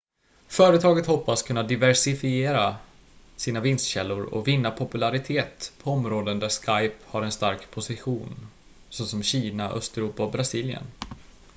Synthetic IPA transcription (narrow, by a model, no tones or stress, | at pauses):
fœːɾət̪ʰɑːɡət̪hɔpːaskʰɵnːad̪ɪvæʂɪfɪeːɾa | siːnavɪnst̪ɕɛlːʊɾɔ̰vɪnːapʰʊpɵlaɾɪt̪ʰeːt̪pʰɔɔmɾoːd̪ənd̪æʂkajphaɾɛnst̪aɾkpʰʊsɪɧuːn | sosɔmɕiːnaʔœ̰st̪ɛɾuːpaɔbɾasiːljə̰n